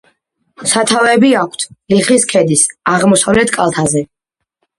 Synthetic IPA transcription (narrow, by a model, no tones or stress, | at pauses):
sat̪ʰavɛbiakʰt̪ʰliχiskʰɛd̪isaʁmɔsavlɛt̪ʰkʼalˠt̪ʰazɛ